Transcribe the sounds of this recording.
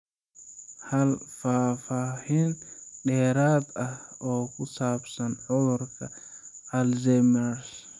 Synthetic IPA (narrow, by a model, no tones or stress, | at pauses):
halfaːfaːhinɗɛɾat̪aɔːkusapsanɔɾka | alzɛmɛɾ